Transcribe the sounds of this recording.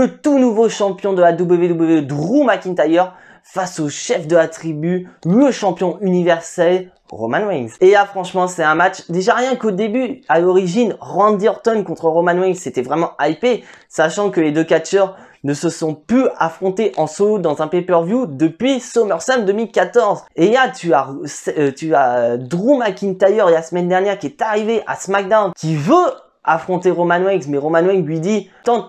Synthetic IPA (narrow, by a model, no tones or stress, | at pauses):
lət̪unuvoʃɑ̃pjɔ̃d̪əlad̪ubləved̪ubləved̪ʁumakʲĩnt̪ajœʁ | fasoʃɛfd̪əlat̪χibyləʃɑ̃pjɔ̃ʔynivɛʁsɛl | ʁomanwɛŋzelafχɑ̃ʃmɑ̃sɛt̪ɛ̃mat͡ʃd̪eʒaʁjɛ̃kod̪ebyalɔʁiʒinʁɑ̃d̪iɔʁt̪ɔnkɔ̃t̪χəʁomanwɛŋzset̪ɛvʁɛmɑ̃ʔajpe | saʃɑ̃kəled̪økat͡ʃœʁ | nəsəsɔ̃plyafχɔ̃t̪eʔɑ̃sod̪ɑ̃zɛ̃pepœʁvjud̪əpɥisomœʁsɛmd̪əmilkat̪ɔʁzelat̪yasɛt̪yad̪ʁumakʲint̪ajœʁlasəmɛnd̪ɛʁnjɛʁkʲiɛt̪aʁiveʔa̰smak̚d̪awnkʲivø | afχɔ̃t̪eʁomanwɛ̃ɡsmɛʁomanwɛ̃ŋɡlɥid̪i | t̪ɑ̃